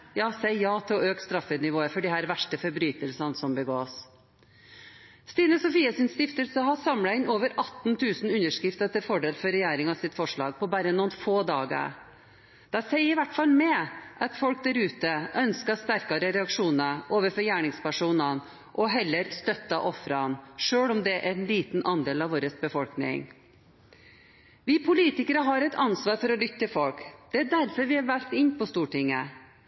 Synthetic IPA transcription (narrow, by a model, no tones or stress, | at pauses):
jɑːsɛɪjɑːt̪ʰɪlɔøːkst̪ɾɑfət̪nɪʋoːəfɔɖɪhæːɾʋæʂʈəfɔɾbɾyːt̪əlsɑnsɔmbəɡoːs | st̪iːnəsɔfiːɑsɪnst̪ɪft̪əlsəɦɑsɑmlɑɪnoːʋəɾʔɑt̪n̩t̪ʰʉːsn̩ʉnːəʂkɾɪft̪ət̪ɪlfɔɖeːlfɔɾɛjæːɾɪŋɑʋsɪt̪fɔʂɭɑ̰ːɡ̚pɔbɑːɾənuːnfoːd̪ɑːɡə̰ɾ | d̪̥æsɛɪɪʋæʈːfɑlmɛʔɑt̪fɔlk̚d̪æɾʉːt̪əʔœnskɑst̪æɾkɑɾəɾɛɑkʂuːnəʔoːʋəɾfɔɾjæːɳɪŋspæʂuːnɑn | ʔɔɦɛlːəɾst̪œt̪ːɑʔɔfɾɑnʂøːɽɔmd̪ɛʔænliːt̪n̩ʔɑnd̪eːlɑʋoːɾəsbəfɔlknɪ̰ŋ | ʋɪpʰʊliːt̪ɪkəɾəɦɑɾɛɪt̪ɑnsʋɑːɾfɔɾɔlʏt̪ːəfɔlkd̪̥ɛæɖæɾfɔɾʋɪɑɾʋæɾt̪ɪnːpɔst̪uːʈɪŋːə